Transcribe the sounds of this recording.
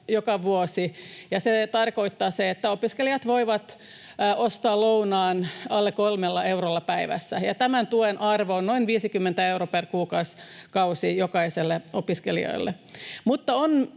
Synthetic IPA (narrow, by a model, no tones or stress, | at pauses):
jokɑʋuosijɑset̪ɑrkoit̪ːɑːseet̪ːæopiskelijɑt̪ʋoiʋɑt̪ː | ʔost̪ɑːlounɑːnɑlːekolmelːɑeurolːɑpæiʋæ̰sːæjɑt̪æmænt̪uenʔɑrʋoonnoinʋiːsikymːent̪æeuroperkuːkɑuskɑusijokɑiselːeopiskelḭo̰ilːḛ | mut̪ːɑon